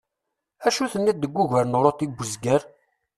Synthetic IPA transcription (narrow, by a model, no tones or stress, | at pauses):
æʃuθənːid̪ːəɡʷːuʝæɾnoɾˤot̪iɡʷːəzɡəɾ